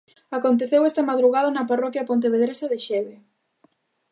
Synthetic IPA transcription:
akont̪eθewɛst̪ɐmaðɾuɣaðɐnɐparɔkjɐpont̪̬eβeðɾesɐðɪʃɛβe

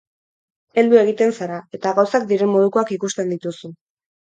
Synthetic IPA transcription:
e̞ld̪ue̞ɣ̞it̪e̞nsaɾae̞t̪aɣawsak̚d̪iɾe̞mːo̞ðuko̞akikust̪e̞nd̪it̪usu

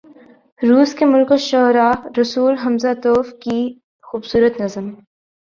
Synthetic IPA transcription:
ɾuːskemʊlkoʃɔːɾaːɾɐsuːlɦɐmzat̪oːfki | xuːbsuːɾət̪nɐzəm

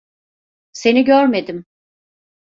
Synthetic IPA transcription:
se̞niɟøɾme̞d̪im

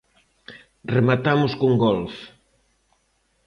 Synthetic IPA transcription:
remat̪amʊskuŋɡɔlf

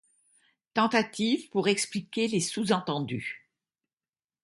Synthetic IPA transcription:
t̪ɑ̃t̪at̪ivpuʁɛksplikʲelesuzɑ̃t̪ɑ̃d̪y

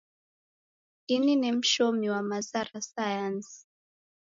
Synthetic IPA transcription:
ininim̩ʃɔmiwamazaɾasajansi̥

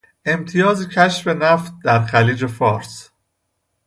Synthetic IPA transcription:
ʔe̞mt̪ʰijɒːzicʰæʃfe̞næft̪̚d̪æɾxæliːd͡ʒe̞fɒːɾs

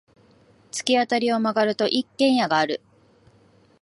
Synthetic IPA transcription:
t͡sɨ̥kʲiat̪aɾʲio̞maɡaɾɯ̟t̪o̞ʔikːẽ̞ɰ̃jaɡaːɾɯ̟

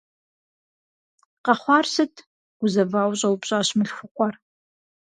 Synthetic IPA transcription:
qɐχʷɑːrsɨtʰ | ɡ̥ʷʊzɐbaːwɕʼɐwpɕʼaːɕmɨɬxʷʊqʷʼɔr

